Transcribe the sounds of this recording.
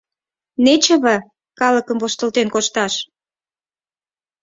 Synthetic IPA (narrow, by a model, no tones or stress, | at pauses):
net͡ɕə̆βə̆ | kɑləkəmvoʃt̪ə̆lt̪enkoʃt̪ɑʃ